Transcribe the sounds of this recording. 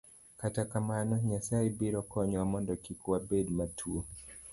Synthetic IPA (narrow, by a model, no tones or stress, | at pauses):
katakamanɔɲasaibiɾɔkɔɲɔwamɔndɔkikwabedmatʰuo